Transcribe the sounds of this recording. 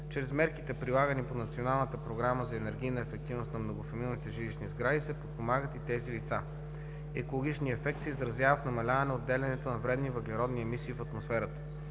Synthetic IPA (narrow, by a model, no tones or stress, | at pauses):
t͡ʃɾɛzmɛɾkit̪ɛpɾilˠaɡəniponɐt̪sionalˠnət̪əpɾoɡɾaməzɐɛnɛɾɡ̟ijnəɛfɛk̚t̪ivnost̪nɐmnoɡofɐmilˠnit̪ɛʒiliʃnizɡɾadisɛpot̪̚pomaɡət̪it̪ɛzilit̪sa | ɛ̰kolˠoɡʲit͡ʃniɛfɛk̚t̪sɛizɾɐzjavəfnɐmɐlʲavɐnɛod̪ːɛlʲɛnɛt̪onɐvɾɛd̪nivɐɡlʲɛɾɔd̪niɛmisiːfɐt̪mosfɛɾət̪ə̥